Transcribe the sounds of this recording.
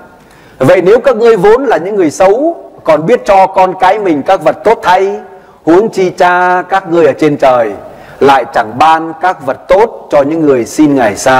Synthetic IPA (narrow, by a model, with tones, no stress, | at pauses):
və̰˧˨jne˨˦wkaː˦˥k̚ŋɨ˧əjvo˨˦nlaː˨˩ɲɨ̰˧˥ŋːɨ˨˩əjsə˨˦wkɔ˨˩nɓi˦˥ət̚t͡ɕɔ˧kɔ˧nkaː˨˦jmï˨˩ŋ̟kaː˦˥k̚və˨˩t̚t̪o˦˥t̚t̪ʰa˧j | hu˨˦əŋt͡ɕi˧t͡ɕaː˧kaː˦˥k̚ŋɨ˧əjʔəː˧˩t͡ɕe˧nt͡ɕəː˨˩j | la̰ː˧˨jt͡ɕa˧˩ŋɓaː˧nkaː˦˥k̚və˨˩t̚t̪o˦˥t̚t͡ɕɔ˧ɲɨ̰˧˥ŋːɨ˨˩əjsi˧nŋa˨˩jsaː˧